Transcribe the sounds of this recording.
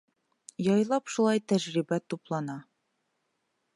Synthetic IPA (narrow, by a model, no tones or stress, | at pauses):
jɑjlˠɑpʃulˠɑjt̪æʒɾibæt̪uplˠɑnɑ